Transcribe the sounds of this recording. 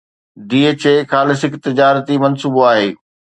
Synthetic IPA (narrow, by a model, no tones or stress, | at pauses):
ɖiːeːt͡ɕeːkaːlɪsɪkt̪ɪd͡ʑaːɾət̪imɐnsuːboaːɦḛː